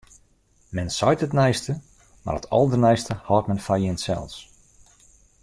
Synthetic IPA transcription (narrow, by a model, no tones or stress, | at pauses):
mɛnsɔjtətnɛjstə | ma̰rətʰɔlˠdərnɛjstəhɔːt̚mɛnfajɪnsɛ̰lˠs